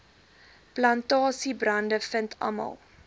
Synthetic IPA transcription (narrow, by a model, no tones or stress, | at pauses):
plɐntɑːsibrɐndəfəntʰɐ̰mɐ̰lˠ